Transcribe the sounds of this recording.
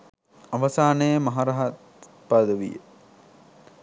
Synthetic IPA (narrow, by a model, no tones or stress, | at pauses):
aʋɐsaːnəjəmɐɦaɾɐɦat̪ | pad̪əʋḭjə̰